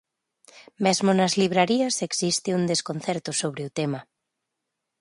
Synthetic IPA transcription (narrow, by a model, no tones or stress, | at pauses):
mezmonɐzliβ̞ɾaɾiɐseksist̪ɪund̪eskon̟θɛɾt̪ʊsoβɾeut̪ema